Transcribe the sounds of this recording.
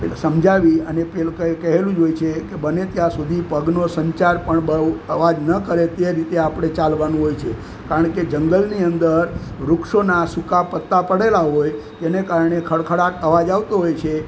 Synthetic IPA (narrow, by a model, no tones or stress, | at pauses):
pesəmd͡ʒaʋiənepelkəkəɦelũd͡ʒojt͡ʃʰekebənet̪jãsud̪ʱipəɡnosəɲt͡ʃaɾpəɳbəəʋad͡ʒnəkəɾet̪eɾit̪eapɽ̃et͡ʃalʋanũɦojt͡ʃʰe | kaɾəɳked͡ʒəŋɡəlniənd̪əɾ | ɾukʃonasukapət̪ːapəɽelaɦojt̪enekaɾəɳekʰəɽkʰəɽakəʋad͡ʒaʋt̪oɦojt͡ʃʰe